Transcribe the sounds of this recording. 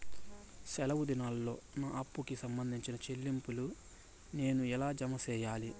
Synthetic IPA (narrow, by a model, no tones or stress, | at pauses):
sɛlɐwud̪inaːlːo̞ːnaːʔɐpːukisɐmbɐnd̪ʱiɲt͡ʃinɐt͡ʃe̞lːimpulu | ne̞ːnuɛlaːd͡ʒɐmɐsɛːjaːli